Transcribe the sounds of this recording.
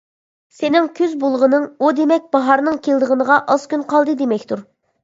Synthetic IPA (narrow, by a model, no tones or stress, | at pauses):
senɪŋkʲʰøzbolˠʁənɨŋud̪emɛk̚ʲb̥ɑɦɑɾnɨŋkʲʰelˠd̪əʁənəʁɑʔɑz̥kʲynqʰɑlˠd̪ɨd̪emɛkʲt̪uɾ